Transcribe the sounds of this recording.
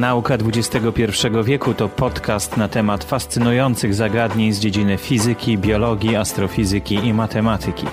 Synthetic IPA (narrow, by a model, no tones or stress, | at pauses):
naukad̪vud͡ʑɛst̪ɛɡɔpʲjɛɾfʂɛɡɔvʲjɛkut̪ɔpɔt̪kast̪nat̪ɛmat̪fast̪sɘnujɔnt̪sɘɣzaɡad̪ɲeɲzd͡ʑed͡ʑinɘfʲizɘkʲibʲjɔlɔɡʲjiast̪ɾɔfʲizɘkʲiimat̪ɛmat̪ʰɘkʲḭ